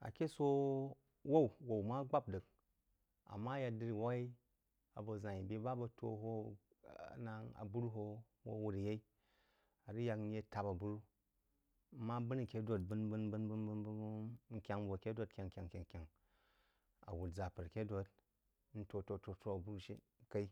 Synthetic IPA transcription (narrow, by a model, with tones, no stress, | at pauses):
a̰˨kʲe˦so˦ | wo˦˨wwo˨wma˦ɡ͡ba˦p̚dɨ˨k̚ | a̰˨mːa˦ja˧dɨ˦˧ɾi˨wa˦i˦ | a̰˨bɐ˨za˨i˨bʲe˦ba˦bɐ˧tʰo̰˨ɦo˦˨ | na˨ŋa̰˨bu˦ɾu˦ɦo˧ | wo̰˦wu˧ɾa˨je˦i˦ | a˨ɾi˦ja˧kn̩˦je˦ta˨ba˨bu˦ɾu˦ | mːa˦bɨ˦n˨kʲe˦do˨t̚bɨ˦nbɨ˦nbɨ˦nbɨ˦nbɨ˦nbɨ˦ŋ̩˦kʲa˦ŋ˦bo˨kʲe˦do˦t̚kʲa˨ŋ˨kʲa˨ŋ˨kʲa˨ŋ˨kʲa˨ŋ | a̰˨wu˨td͡za˨pɨ˨ɾkʲe˦do˧t̚ | n̩˦to˧to˧to˧to˦a˨bu˦ɾu˦ʃḭ˦ | ka˦i˦